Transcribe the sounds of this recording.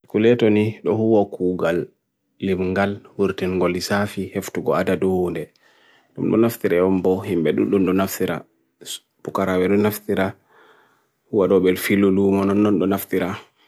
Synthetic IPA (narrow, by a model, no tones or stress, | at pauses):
kulɛtɔniɗɔhuwakuɡalː | imŋɡalwuɾtinŋɡolisafiheftuɡɔ̰adadɔhundɛ | ɗumɗɔ̰naft̪iɾaɔmbɔhimbɛɗṵnɗumɗɔnaftiɾa̰ | pukaɾawɛɗɔnaftiɾa | huwaɗɔbɛlfilːulumɔnɔnːɔnɗɔnaft̪iɾa